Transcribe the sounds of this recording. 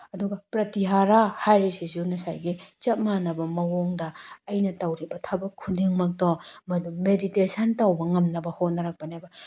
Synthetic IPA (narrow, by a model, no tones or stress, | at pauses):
ɐduɡɐpɾɐtiɦaɾahajɾisizunɐsa̰jɡit͡ʃɐt̚manɐbɐmɐwoŋdɐɐjnɐtɐwɾibɐtʰɐbɐkʰudiŋmɐk̚tomɐdumeditesʰɐntɐwbɐŋɐmnɐbɐhot̚nɐɾɐk̚pɐniajbɐ